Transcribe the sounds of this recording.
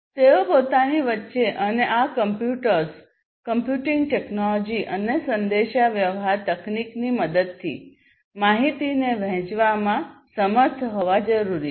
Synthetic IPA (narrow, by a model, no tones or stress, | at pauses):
t̪eopot̪aniʋətːʃeʔəneʔakəmpjuʈəɾs | kəmpjuʈiŋɡ̚ʈeknɔlɔd͡ʒiʔənesənd̪eʃaʋjəʋɦaɾt̪əknikniməd̪əd̪̚t̪ʰːḭ | maɦit̪ineʋɛ̃t͡ʃʋamãsəməɾt̪ʰɦoʋad͡ʒəɾuɾi